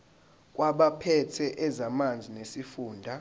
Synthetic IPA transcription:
k̬ʼwaɓapʰɛtʰɛʔɛzamand͡zʱinesifuːndʱa

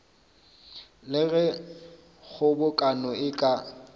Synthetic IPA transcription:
lɪɣɛ | ɣʊbʊkʼanɔɪkʼa

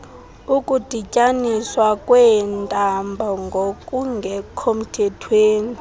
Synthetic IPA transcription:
ukʼud̥ʱicʼaniswakʼwɛntʼambʱɔŋɡʱokʼuŋɡʱɛkʰom̩tʰɛtʰweːni

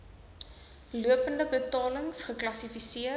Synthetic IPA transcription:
luəpəndəbətɑːləŋsχəklɐsifisiə

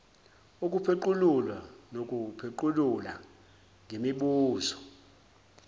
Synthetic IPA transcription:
ukʼupʰeǃululwanok̬ʼupʰeǃulula | ŋʱemiɓuːzɔ

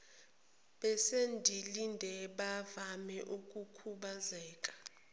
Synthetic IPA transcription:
ɓɛsendʱilindʱɛɓavamɛʔuk̬ʼukʰuɓazɛːk̬ʼḁ

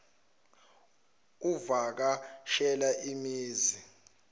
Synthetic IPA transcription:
uvak̬aʃɛlaʔimiːzi

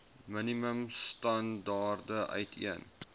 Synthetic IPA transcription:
məniməmstɐndɑːrdəʔœ̰ɥtʰḭən

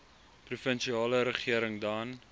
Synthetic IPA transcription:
prufənʃiɑːləɾəχiəɾəŋdɑn

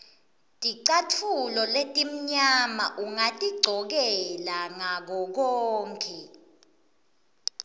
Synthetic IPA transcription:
tʼiǀatʰulɔletʼim̩ɲamaʔuŋatʼiɡ͡ǀʱɔk̬ɛlaŋak̬ɔk̬ɔːŋkʰʼɛ

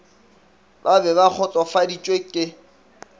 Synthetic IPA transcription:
babɛbak͡xʰɔt͡ɬʼɔfadit͡ʃʼwekʼɪ

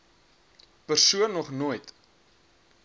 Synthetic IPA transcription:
pərsuənːɔχnuəjt

